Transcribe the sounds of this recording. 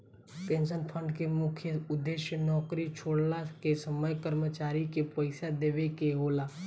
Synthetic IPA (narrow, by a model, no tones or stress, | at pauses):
pẽːnʃənpʰə̃ɳɖkemʊkʰjəʊd̪ːeʃjənɔːkɾit͡ʃʰoːɽlakesəməjkəɾmət͡ʃaːɾikepəɪsad̪eːʋekeɦoːlaː